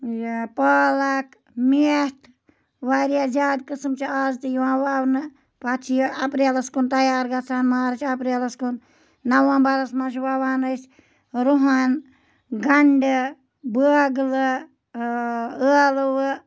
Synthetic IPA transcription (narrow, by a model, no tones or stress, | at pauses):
jpaːlak | mit̪ʰ | ʋaɾjaːzaːd̪kɨsɨmt͡ʃʰiaːzt̪ɨjiʋãːwaːwnɨ | pat͡ʃʰijɐpɾelɐskunt̪ɐjaːɾɡɐt͡sʰaːnmaːɾt͡ʃʰɐpɾelɐskun | nɐwãːbɐɾɐsmãːt͡ʃʰʋaʋaːnət͡ʃ | ɾuɦan | ɡɐɳɖɨ | bəɡlɨ | əlwɨ